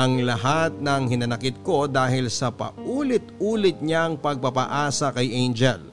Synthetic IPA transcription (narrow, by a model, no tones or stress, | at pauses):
ʔɐŋlɐɦat̪̚nɐŋhɪnɐnɐkɪt̪̚ko̞d̪aːhɪlsɐpɐ̰ʔʔuːlɪt̪̚uːlɪt̪̚ɲaŋpɐɡ̚pɐpɐ̰ʔaːsɐkɐjʔejnd͡ʒɛ̰l